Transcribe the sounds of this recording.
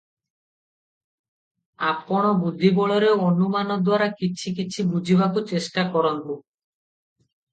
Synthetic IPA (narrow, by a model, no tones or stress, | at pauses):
apɔɽ̃obud̪ʱːibɔɭɔɾeonumanɔd̪waɾakit͡ɕʰikit͡ɕʰibud͡ʑʱibʱakot͡ɕeʃʈakɔɾɔnbo